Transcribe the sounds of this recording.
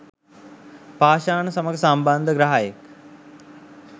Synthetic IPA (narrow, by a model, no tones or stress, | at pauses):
paːʃaːnəsɐməɡsamband̪ʱəɡɾɐɦaːjek